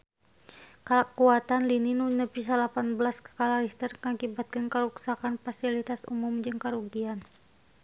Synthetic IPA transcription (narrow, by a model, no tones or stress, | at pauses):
kalakuat̪anlininunəpis̬alapanbəlaskə̥kalaɾist̪ərŋakibat̪̚kənkəɾuksakanfasilit̪asṵmumd͡ʒɨŋkaɾuɡian